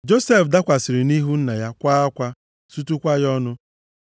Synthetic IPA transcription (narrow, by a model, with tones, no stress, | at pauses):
d͡ʒo˦se˦˨fda˦kʷa˨sɪ˨ɾɪ˨ni˦ɦu˦n̩˦na˨ja˦kʷa˦a˦kʷa˦ | su˦tu˦kʷa˦jɔ˦nʊ˦